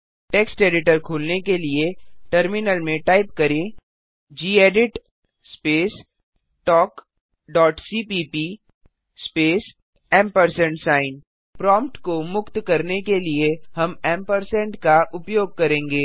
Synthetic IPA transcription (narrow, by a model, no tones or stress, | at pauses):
ʈeːksʈeːɖɪʈəɾkʰuːlnekelieʈəɾmɪnəlmẽʈaːɪp̚kɐɾẽ | d͡ʒiːeːɖɪʈ | speːs | ʈɔːk | ɖɔːʈsiːpiːpi | speːs | ɛ̃ːmpəɾsɛ̃ɳʈsaːɪn | pɾɔ̃ːmpʈkomʊkt̪kɐɾnekeliehɐmɛ̃ːmpəɾsɛ̃ɳʈkaʔʊpjoːɡ̚kɐɾẽːŋɡeː